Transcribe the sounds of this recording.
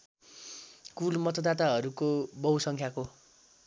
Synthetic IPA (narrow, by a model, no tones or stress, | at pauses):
kulmʌt̪ʰʌd̪at̪aɦʌɾukobʌwsʌŋkʰjako